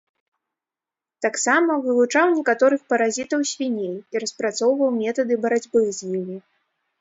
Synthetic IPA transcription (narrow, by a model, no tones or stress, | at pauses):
t̪aksamɐvɨlˠut͡ʂawnʲɛkat̪ɔɾɨxpɐɾazʲit̪ɐwsʲvʲinʲejiɾɐspɾat̪sɔwvɐwmʲɛt̪ɐd̪ɨbɐɾad͡zʲbɨɣzʲjimʲi